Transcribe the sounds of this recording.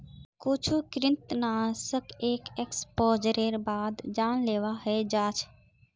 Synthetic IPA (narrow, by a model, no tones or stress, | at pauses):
kʊt͡ʃʰukɾɪnt̪naːsəkeːkekspoːd͡ʒəɾeːɾbaːd̪d͡ʒaːnleːʋaɦed͡ʒaːt͡ʃʰ